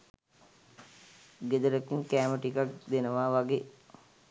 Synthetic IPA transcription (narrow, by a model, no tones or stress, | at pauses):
ɡed̪əɾəkiŋkæːməʈikak̚d̪enəʋaːʋaɡe